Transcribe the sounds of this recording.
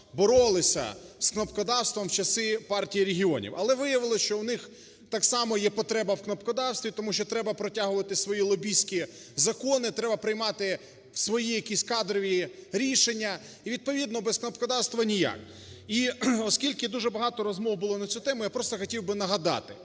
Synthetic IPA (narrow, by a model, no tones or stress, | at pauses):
bɔɾɔlˠɪsʲɐ̰sknɔpkɔd̪ɑwst̪ʋɔmwt͡ʃɐsɪpɑrtʲijiɾʲeɦʲiɔnʲḭwɐlˠɛʋɪjɐʋɪlˠɔʃt͡ʃɔwnɪx | t̪ɑksɑmɔjɛpɔt̪ɾɛbɐwknɐpkɔd̪ɑwst̪ʋʲit̪ɔmuʃt͡ʃɔt̪ɾɛbɐpɾɔtʲaɦʊʋɐt̪ɪsʋɔjilˠɔbʲisʲkʲi | zɐkɔnɪt̪ɾɛbɐpɾɪjmɑt̪ɪ | sʋɔjijɐkʲisʲkɑd̪ɾɔʋʲiɾʲiʃenʲːɐ | iʋʲid̪̚pɔʋʲid̪nɔbɛsknɔpkɔd̪ɑwst̪ʋɐnʲijɑ̰k | iɔskʲilʲkɪd̪uʒɛbɐɦɑt̪ɔɾɔzmɔwbʊlˠɔnɐsʲut̪ɛmʊjapɾɔst̪ɔxɔtʲiwbɪnɐɦɐd̪ɑ̰t̪ɪ